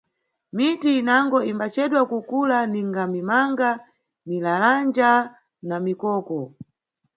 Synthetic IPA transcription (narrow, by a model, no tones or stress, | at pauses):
mitiːnaŋɡɔimbat͡ʃɛɗwakukulaniŋɡamimaŋɡa | milaland͡ʒa | namikɔːkɔ